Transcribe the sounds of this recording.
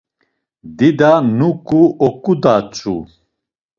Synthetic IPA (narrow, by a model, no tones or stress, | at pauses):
d̪id̪anukʼuʔɔkʼud̪at͡sʼṵ